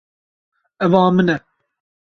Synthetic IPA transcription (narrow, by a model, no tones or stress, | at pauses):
ɛvɑːmɨnɛ